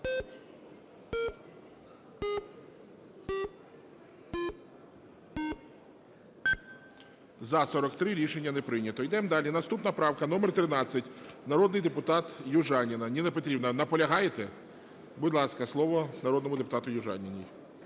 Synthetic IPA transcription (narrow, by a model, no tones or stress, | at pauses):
zɐsɔɾɔkt̪ɾɪɾʲiʃenʲːɐnepɾɪnʲɐt̪ɔjd̪ɛmd̪ɑlʲinɐst̪upnɐpɾɑwkɐnɔmert̪ɾɪnɑt͡sʲːɐtʲnɐɾɔd̪nɪjd̪epʊt̪ɑt̪jʊʒɑnʲinɐnʲinepɔt̪ɾʲibnɐnɐpɔlʲɐɦɑjet̪ɛ | budʲlˠɑskɐslˠɔʋɔnɐɾɔd̪nɔmʊd̪epʊt̪ɑt̪ʊjʊʒɑ̰nʲinʲij